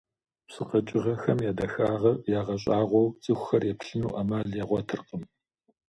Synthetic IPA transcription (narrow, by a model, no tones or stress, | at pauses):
psɨqɐt͡ʃʼɪʁɐxɐmjaːdɐxaːʁɐjaːʁɐɕʼaːʁʷɔwt͡sʼɨxʷxɐrjɛpɬɨnuːʔɐmaːɮjɛʁʷɔtʰɨrqəm